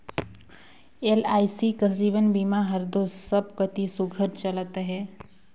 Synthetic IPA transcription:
elaːisikəsiːʋənbimaɦəɾd̪oːssəb̚kət̪isʊɡʱəɾt͡ʃələt̪ɦɛː

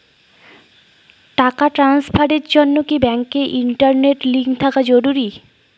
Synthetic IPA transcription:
ʈakaʈɾanspʰaɖeɾd͡ʑonːokibɛŋkeʔiɳʈaɾneʈliŋɡt̪ʰakad͡ʑoɾuɾi

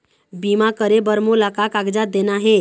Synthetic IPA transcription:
bimakəɾebəɾmolakakaɡd͡zat̪̚d̪enaɦe

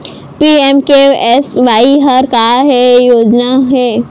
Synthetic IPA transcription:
piɛmkeɛsʋaːiɦɐɾkaːɦɛjoːd͡ʒnaɦɛ

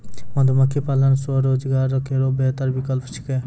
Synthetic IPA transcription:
mɐ̃nd̪umɐkʰːipalɐnsoɾoːd͡ʒɡaːɾːɔkʰeɾobeːt̪əɾbikəlpʰt͡ʃʰi̥ke

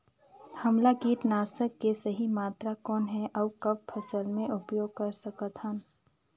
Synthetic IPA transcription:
hɐmlaɡiːʈ̪naːsəkːesɐɦimaːt̪ɾakɔːnɦɛʔɔːkɐb̚pʰɐsəlmẽʔʊpjoːɡ̚kɐɾsɐkət̪ən

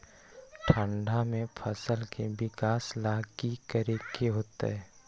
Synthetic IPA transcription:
ʈʰə̃ɳɖʱamẽpʰəsəlkebɪkaːslaːɡikəɾekeɦoːt̪a̰ɦɛː

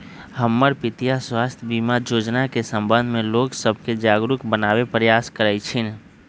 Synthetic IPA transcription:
həmːəɾpɪt̪ijaswaːst̪ʰjbimad͡ʒoːd͡ʒnakesə̃mbə̃nd̪ʱmẽloːksəb̚ʱked͡ʒaːɡɾʊkbənaːwepɾəjaːskəɾəɪt͡ʃʰin

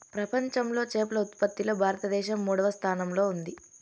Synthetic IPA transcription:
pɾɐpɐɲt͡ʃɐmlo̞ːt͡ʃeːpulɐut̪pɐt̪ːilɐbʱaːɾɐt̪ɐd̪ɛːʃɐmːuːɽɐʋɐst̪ʰaːnɐmlo̞ːund̪i

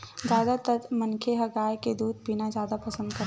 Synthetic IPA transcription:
d͡ʒjaːd̪at̪ət̪mənkʰeɦəɡaːjked̪uːd̪̚binazjaːd̪apɐsə̃nd̪kəɾ

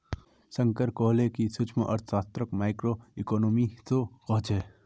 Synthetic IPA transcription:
sə̃ŋkəɾkoːlekisʊt͡ʃʰməʔɐ̰ɾt̪ʰsaːst̪ɾəkmaːɪkɾoɪkɔːnoːmit̪okɔːt͡ʃɛː

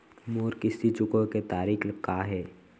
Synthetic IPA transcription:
moːɾkɪsit͡ʃʊkõket̪aːɾiːkkaːɦɛː

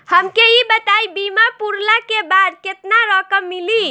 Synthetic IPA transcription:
həmkeibət̪aibimapuɾlakebad̪ket̪naɾəkəmːili

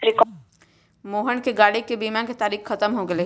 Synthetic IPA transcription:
ɾɪk | moːɦənkeɡaːɽikebiːmãket̪aːɾiːxxɐt̪əmɦoɡɐle

